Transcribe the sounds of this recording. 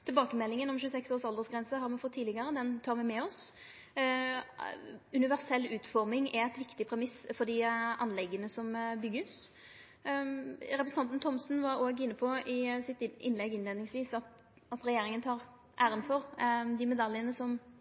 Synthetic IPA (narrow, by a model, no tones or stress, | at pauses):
t̪ʰɪlbɑːkəmɛlːɪŋənɔmʃʉːəsɛksoːʁsɑld̪əʁsɡɾɛnsəɦɑɾmɛfɔt̪ʰːiːlɪɡəɾəd̪ɛnt̪ʰɑːɾʋɪmɛɔs | ʉnɪʋæʁsɛlːʉːt̪fɔʁmɪŋɛæt̪ʋɪkt̪ɪpʰɾɛmɪsfɔd̪ɪɑnlɛɡːənəsɔmbʏɡːəs | ɾɛpɾsn̩ɑnt̪n̩t̪ʰɔmsn̩ʋɑɾoːɡɪnːəpʰɔɪsɪt̪ɪ̰nlɛɡɪneːd̪nɪŋsʋiːsɑt̪ | ɑt̪ɾɛjeːɾɪŋənt̪ʰɑːɾ | ʔæːɾənfɔɾd̪ɪmɛd̪ɑljənəsɔm